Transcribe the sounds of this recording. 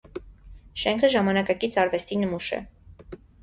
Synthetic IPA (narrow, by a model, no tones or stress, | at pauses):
ʃɛŋkʰəʒɑmɑnɑkɑkit͡sʰɑɾvɛst̪inəmuʃɛ̰